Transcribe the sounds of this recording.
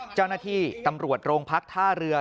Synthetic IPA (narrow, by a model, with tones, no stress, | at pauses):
t͡ɕa˥˩wnaː˥˩t̪ʰiː˥˩t̪a˧mɾu˨˩ət̪̚ɾoː˧ŋpʰa˦˥k̚t̪ʰaː˥˩ɾɯ˧əɐ